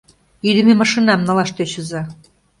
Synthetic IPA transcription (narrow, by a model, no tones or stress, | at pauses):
yd̪ɘ̆memɑʃinɑmnɑlɑʃt̪et͡ɕɤ̆zɑ